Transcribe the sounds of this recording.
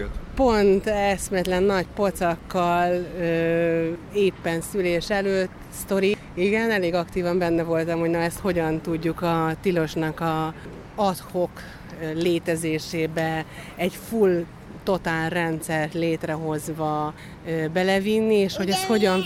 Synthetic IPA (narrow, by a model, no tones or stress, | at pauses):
po̞nt̪ɛsmɛt̪lɛnːɒɟpo̞t̪sɒkːɒløː | eːpːɛnsyleːʃɛløːt̪ː | st̪o̞ɾi | iɡɛnɛleːɡɒkt̪iːvɒmbɛnːɛvo̞lt̪ɒmhoɟnɒɛst̪ho̞ɟɒnt̪uɟːukɒt̪ilo̞ʃnɒkɒ | ɒt̪hok | leːt̪ɛzeːʃeːbɛɛɟful | t̪o̞t̪aːlrɛnt̪sɛrt̪leːt̪rɛɦo̞zʋɒ | øbɛlɛvinːieːʃho̞ɟɛst̪ho̞ɟɒn